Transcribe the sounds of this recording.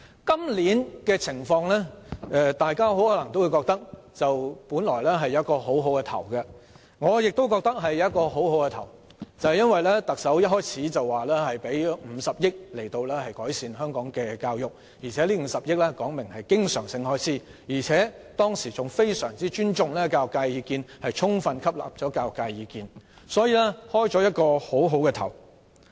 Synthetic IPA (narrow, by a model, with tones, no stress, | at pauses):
kɐ˥mliː˨˥nkɛ˧t͡sʰɪ˨˩ŋfɔː˧ŋlɛː˥ʔɛ˧t̪aː˨jkaː˥ɦo˨˥whɔː˨˥lɐ˨˩ŋt̪o˥wu˨˧jkɔː˧k̚t̪ɐ˥k̚t͡sɐ˨wpuː˨˥nlɔː˨˩jlɛː˥ɦɐ˨jːɐ˨˦ɐ˥t̚kɔː˧ɦo˨˥wɦo˨˥wkɛ˧t̪ʰɐ̰˨˩wɡɐ˧ | ŋɔː˨˧jɪ˨k̚t̪o˥wkɔː˧k̚t̪ɐ˥k̚ɦɐ˨jːɐ˨˦ɐ˥t̚kɔː˧ho˨˥wɦo˨˥wkɛ˧t̪ʰɐ̰˨˩w | t͡sɐ˨˧hɐ˨jɐ˥nwɐ˨jlɛː˥t̪ɐ˨k̚sɐ˨˥wjɐ˥t̚ɦɔː˥jt͡sʰiː˨˥t͡sɐ˨wːaː˨lɛː˥hɐ˨jpe˨˥jm̩ː˨˧˥sɐ˨p̚jɪ˥k̚le˨˩jt̪o˧wlɛː˥hɐ˨jkɔː˨˥jsiː˨˧nɦœː˥ŋkɔː˨˥ŋkɛː˧kaː˧wjʊ˨k̚ | jiː˨˩t͡sʰɛː˨˥liː˥m̩˨˧sɐ˨p̚jɪ˥k̚lɛ˥kɔː˨˥ŋmɪ˨˩ŋhɐ˨jkɪ˥ŋsœː˨˩ŋsɪ˧ŋhɔː˥jt͡sʰiː˨˥ | jiː˨˩t͡sʰɛː˨˥ | t̪ɔː˥ŋsiː˨˩t͡sʊ˨ŋfe˥jsœː˨˩ŋt͡siː˥t͡ʃyː˥nt͡sʊ˨ŋlɛː˥kaː˧wjʊ˨kːaː˧jjiː˨˧kiː˧nhɐ˨jt͡sʰʊ˥ŋfɐ˧nkʰɐ˥p̚la̰ː˨˩p̚t͡ʃɔː˨˥kaː˧wjʊ˨kːaː˧jjiː˨˧kiː˨˧n | sɔː˨˥jiː˨˧lɛ˥hɔː˥jt͡sɔː˨˥jɐ˥t̚kɔː˧ho˨˥wɦo˨˥wkɛ˧t̪ʰɐ̰˨˩w